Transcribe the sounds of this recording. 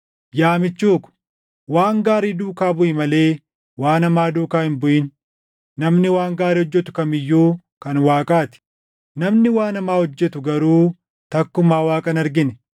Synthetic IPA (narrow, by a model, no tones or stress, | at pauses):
jaːmɪt͡ʃːuːkʊ̥ | waːŋɡaːɾiːd̪uːkaːbʊʔɪmɐle̞ː | waːnɐmaːd̪uːkaːhɪnbʊʔɪn | nɐmnɪwaːŋɡaːɾiːhɔd͡ʒːɛt̪ʊ̥kɐmɪjːuː | kɐnwaːkʼaːt̪ɪ̥ | nɐmnɪwaːnɐmaːhɔd͡ʒːɛt̪ʊɡɐɾuː | t̪ɐkːʊmaːwaːkʼɐnɐɾɡɪnɛ